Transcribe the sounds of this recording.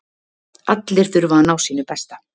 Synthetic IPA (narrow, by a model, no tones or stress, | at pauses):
at̪lɪɾ̥θʏɾvanaːwsiːnʏpɛst̪a